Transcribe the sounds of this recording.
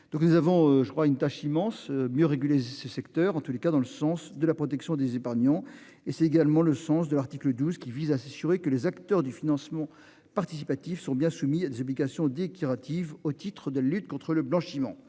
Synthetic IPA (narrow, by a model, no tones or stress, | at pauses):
d̪̥ɔ̃knuzavɔ̃øʒəkχwaynt̪aʃimɑ̃smjøʁeɡʲylesəsɛkt̪œʁɑ̃t̪ulekad̪ɑ̃ləsɑ̃sd̪əlapχɔt̪ɛksjɔ̃d̪ezepaʁɲɑ̃ | esɛt̪eɡalmɑ̃ləsɑ̃sd̪əlaʁt̪ikləd̪uzkʲivizasasyʁekəlezakt̪œʁd̪yfinɑ̃smɑ̃ | paʁt̪isipat̪ifsɔ̃bjɛ̃sumiad̪ezɔbliɡasjɔ̃d̪ekʲiʁat̪ʰivot̪it̪χəd̪əlalyt̪̚kɔ̃t̪χələblɑ̃ʃimɑ̰̃